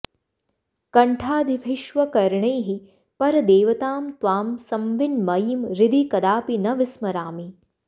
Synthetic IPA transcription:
kɐɳʈʰaːd̪ibʱiʃʋɐkɐɾɳɐjɦi | pɐɾɐd̪eːʋɐt̪aːmt̪ʋaːmsɐmʋɪnmɐjimɾɪd̪ikɐd̪aːpinɐʋɪsmɐɾaːmi

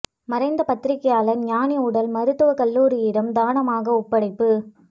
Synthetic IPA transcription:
mɐɾɐɪnd̪ɐpɐt̪ːɪɾɪkːɐjaːlɐɲaːnɪʊɽɐlmɐɾɯt̪ːɯʋɐkɐlːuːɾɪjɪɽɐmd̪aːnɐmaːɣɐʊpːɐɽɐɪpːɯ

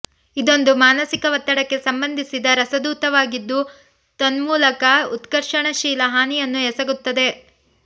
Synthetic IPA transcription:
id̪o̞nd̪umaːnɐsikɐʋɐt̪ːɐɽɐkːe̞sɐmbɐnd̪ʱisid̪ɐɾɐsɐd̪uːt̪ɐʋaːɡid̪ːu | t̪ɐnmuːlɐkɐut̪ɡɐɾʂɐɳɐʃiːlɐɦaːnijɐnːuɦɛsɐɡut̪ːɐd̪e̞

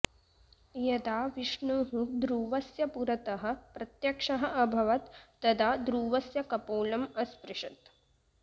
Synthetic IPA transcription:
jɐd̪aːʋiʂɳuːɦud̪ɾuːʋɐsjɐpuɾɐt̪ɐɦɐ̆pɾɐt̪jɐkʂɐɦɐʔɐbʱɐʋɐt̪ːɐd̪aːd̪ɾuːʋɐsjɐkɐpoːlɐmɐspɾɪʂɐt̪

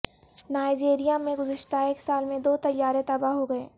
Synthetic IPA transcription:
naːɪd͡ʒeːɾijamẽɡʊzɪʃt̪aeːksaːlmẽd̪oːt̪ɐjːaːɾẽt̪ɐbaɦoɡɐeː

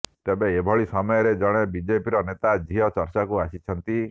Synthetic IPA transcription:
t̪ebeːbʱɔɭisɔmɔjɔɾed͡ʒɔɽ̃ebid͡ʒepiɾɔnet̪ad͡ʒʱiɔt͡ʃɔɾt͡ʃakuasit͡ʃʰɔnt̪i

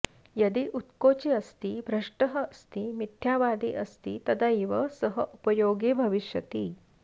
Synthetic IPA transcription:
jɐd̪iʔut̪kot͡ɕiɐst̪iːbʱɾɐʂʈəɦəst̪imit̪ʰːjaʋad̪ḭʔəst̪iːt̪ɐd̪aiʋəsəɦəʔupəjoɡibʱɐʋiʃjɐt̪iː

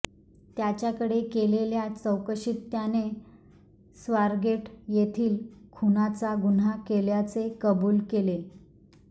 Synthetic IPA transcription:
t̪jat͡ɕjakəɽekeleljat͡səwkəɕit̪ːjane | sʋaɾɡeʈjet̪ʰiːlkʰunat͡saɡunakeljat͡sekəbuːlkele

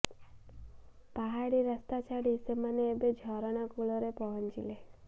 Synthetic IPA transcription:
paɦaɽiɾəst̪at͡ʃʰaɽisemaneːbed͡ʒʱɔɾɔɽ̃akuɭɔɾepɔɦɔnt͡ʃile

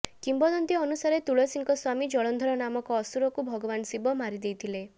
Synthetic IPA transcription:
kimbɔd̪ɔnt̪iɔnusaɾet̪uɭɔsiŋkɔswamid͡ʒɔɭɔnd̪ʱɔɾɔnamɔkɔːsuɾɔkubʱɔɡɔbansibɔmaɾid̪ejt̪ʰile

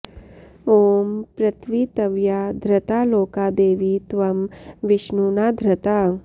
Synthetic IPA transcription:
oːmpɾɐt̪ʰʋiːt̪ɐʋjaːd̪ʱɾɐt̪aːloːkaːd̪eːʋit̪ʋɐmʋɪʃnuːnaːd̪ʱɾɐt̪aː

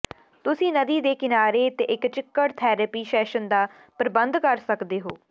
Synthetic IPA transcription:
t̪ʊsĩːnəd̪iːd̪eːkɪnaːɾeːt̪eːʔɪkt͡ʃɪkːəɽt̪ʰɛːɾəpiːʃɛːʃənd̪aː | pɾəbənd̪kəɾsəkd̪eːɦoː

